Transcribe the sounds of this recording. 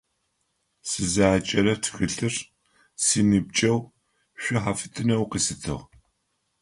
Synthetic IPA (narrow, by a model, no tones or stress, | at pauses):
sɨzaːt͡ʃʼɐɾɐtʰxɨɬɨr | siːnɨb̚t͡ʃʼɐw | ɕʷʊħafɨtʰɨnɐwqisɨtʰɨ̰ʁ